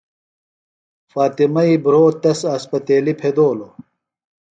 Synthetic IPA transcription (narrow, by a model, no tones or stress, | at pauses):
faːt̪imɐibɾoːt̪ɐsɐːspɐt̪eːlipʰed̪oːlo